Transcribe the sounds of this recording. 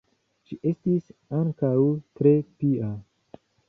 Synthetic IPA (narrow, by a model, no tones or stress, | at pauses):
ʃiʔe̞stisaŋkawt̪ɾe̞pia